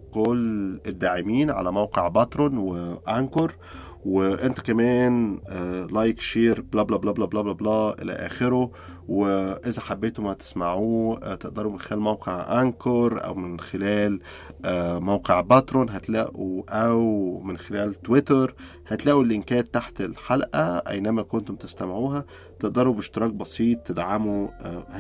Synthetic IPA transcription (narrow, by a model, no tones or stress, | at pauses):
koled̪ːaːʕɪmiːnʕa̰læmæwqeʕbɑt̪ɾˤonweʔænkɑɾˤ | weʔent̪æ̥kæmæːnː | lɑjkʃeːɾblɑːblɑblɑːblɑblɑblɑblæːʔḛlæ̰ʔæ̰ːxeɾo | weʔɪzæħabːeːt̪omæt̪e̥smaʕuːt̪eʔd̪ɑɾumɪnxelæːlmæwqeʕʔænkɑɾˤʔæ̰wmɪnxelæːl | ʔæmæwqeʕbæt̪ɾoːnɦæt̪læ̰ːʔuʔæwmɪnxelæːlt̪wet̪ɑɾˤ | hæt̪læːʔulʔɪnkæːd̪̚t̪ːaħt̪elħalʔæbæ̰jnæmækont̪omt̪est̪æmʕuːɦæ | t̪eʔd̪ɑɾˤubeʃt̪eɾˤɑːk̚bɑsˤiːt̪ˤːed̪ʕamu